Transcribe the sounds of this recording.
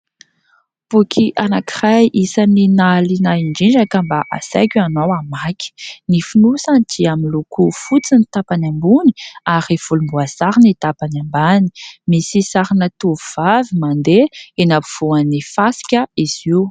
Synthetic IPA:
b̥ukʰiʔanakirajʔisaninalinaiɳɖ͡ʐiɳd͡ʒakəmbaʔa̰sa̰jkʲuanowamakʲi̥nifunusand̪ʰiaminlukufut͡sinit̪apanambuni̥aɾiv̥ulumbuasaɾinit̪apanambani̥misisaɾinət̪uvuv̥avimand̪eenapuv̥uanifasi̥kʲəiz̥iw

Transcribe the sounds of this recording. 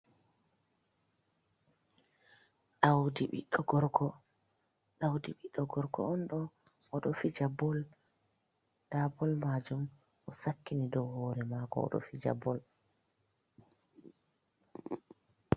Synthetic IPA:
ɗawdiɓḭɗːɔɡɔɾɡɔ | ɗawdiɓiɗːɔɡɔɾɡɔ̰ɔnɗɔ | ɔɗɔfid͡ʒabɔl | d̥abɔlmad͡ʒum | ʔɔsakːinidɔwhɔːɾɛmakɔ̰ɔ̰ɗɔ̰fid͡ʒa̰bɔl

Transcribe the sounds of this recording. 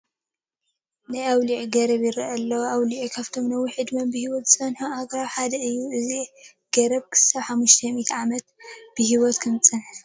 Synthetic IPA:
najawliʕiɡɐɾɐβjɪɾɐʔɐlːɐwawliʕikʰaβt̪ʰo̞mnɐwːiħɨd̪mɐmbɨhiwɔt̪z̥ɨt͡sɐnħuaɡɾawħad̪ɐɨjːuɨzi | ɡ̥ɐɾɐbkʰɨ̥saβħamːuʃt̪ʰɐmit̪ʰʕamɐt̪b̥ɨhiwɔt̪kʰɨmt͡sʼɐnħ

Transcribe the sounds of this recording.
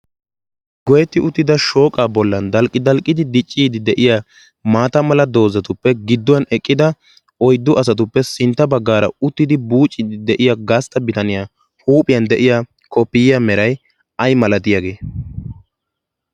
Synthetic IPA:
ɡɔjɛt̪ːɪʔʊt̪ːɪd̪ɐʃo̞ːkʼaːbɔlːɐnd̪ɐlkʼːɪd̪ɐlkʼːɪd̪ɪd̪ɪt͡ʃʼːiːd̪ɪd̪ɛʔɪjaː | maːt̪ɐmɐlɐd̪o̞ːzɐt̪ʊpːɛɡɪd̪ːʊwɐnɛkʼːɪd̪ɐ | ɔjd̪ːʊʔɐs̬ɐt̪̬ʊpːɛsɪnt̪ːɐbɐɡːaːɾɐ̰ʊt̪ːɪd̪ɪbuːt͡ʃʼːɪd̪ɪd̪ɛʔɪjaɡɐst̪ɐbɪt̪ɐnɪjaː | huːpʼɪjɐnd̪ɛʔɪjaː | kɔpːɪjɪjamɛɾɐj | ɐjmɐlɐt̪ɪjaɡe̞ː

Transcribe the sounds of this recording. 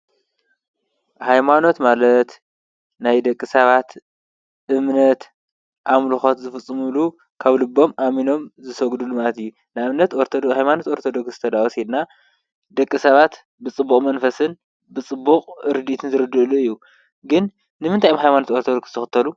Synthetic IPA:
hajmano̞t̪malɐt̪ | najd̪ɐkʼːɨsɐβat̪ | ʔɨmnɐt̪ | ʔamlɨxot̪zɨfɨt͡sʼːɨmulu | kʰaβlɨbːo̞mʔamino̞mzɨsɐɡd̪ulːumalɐt̪ɨjːu | naɨmnɐt̪oɾt̪ʰod̪hajmano̞t̪o̞ɾt̪ʰod̪oksɨt̪ʰɐd̪awoshed̪na | d̪ɐkʼːɨsɐβat̪ | bɨt͡sʼɨbːukʼmɐnfɐsɨn | bɨt͡sʼɨbːuqʼɨɾɨd̪it̪ʰɨnzɨɾɨd̪ɨʔluɨjːu | ɡɨn | nɨmɨnt̪ʰajmhajmano̞t̪o̞ɾt̪ʰod̪oksz̥ɨt̪ʰɨxɨt̪ʰːɐlu

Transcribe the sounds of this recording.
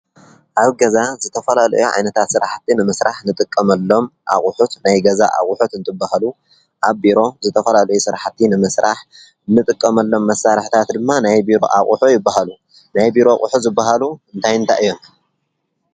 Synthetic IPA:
ʔaβɡɐzazɨt̪ʰɐfɐlalɐ̰juʕa̰jnɐt̪ʰat̪sɨɾaħt̪ʰːinɨmɐsɾaħnɨt̪ʼɨkʼːɐmɐlːo̞mʔa̰χʼʊħut̪najɡɐza̰ʔa̰χʼʊħut̪ɨnt̪ʰɨbːahalu | ʔaβbiɾo̞zɨt̪ʰɐfɐlalɐjusɨɾaħt̪ʰːinɨmɐsɾʔaħ | nɨt̪ʼɨkʼːɐmɐlːo̞mːɐsːaɾħt̪ʰat̪d̪ɨmːanajbiɾo̞̰ʔa̰χʼuħujɪbːaɦalu | najbiɾo̞χʼṵħuzɨbːaɦaluɨnt̪ʰajɨnt̪ʰaʔɨjːom

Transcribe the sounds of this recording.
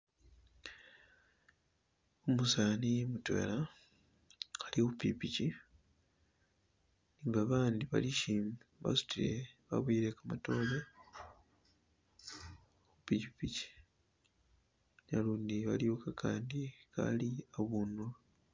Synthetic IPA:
omusanimutwḛla | alioupipici | niːŋɡaβaːndiβa̰liʃimβa̰su̥tiɾḛβa̰βwiːɾekamato̞ːle | oβupicipici̥ | naluːndiβaliokakʰaːndikʰa̰liaβunu

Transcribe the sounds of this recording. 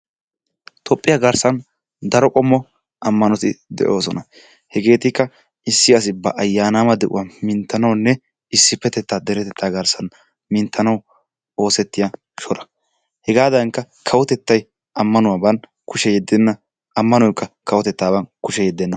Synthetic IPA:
t̪ʰɔpʼːɪjɐɡɐɾsɐn | d̪ɐɾɔkʼɔmːɔ | ɐmːɐnɔt̪ɪd̪ɛ̰ʔo̞ːsɔnɐ | hɛɡe̞ːt̪ɪkːɐ | ɪsːɪɐs̬ɪbɐʔɐjːaːnaːmɐd̪ɛʔʊ̰waːmɪnt̪ːɐnɐwnːɛ | ɪsːɪpːɛt̪ɛt̪ːaːd̪ɛɾɛt̪ɛt̪ʰːaːɡɐɾsɐn | mɪnt̪ʰːɐnɐw | o̞ːsɛt̪ːɪja | ʃɔɾɐ̥ | hɛɡaːd̪ɐŋkːɐ | kʰɐwɔt̪ɛt̪ːɐj | ʔɐmːɐnʊwaːbɐn | kʊʃɛjɛd̪ːɛnːɐ | ɐmːɐnɔjkːɐkɐwɔt̪ɛt̪ːaːbɐnkʊʃɛjɛd̪ːɛnːɐ

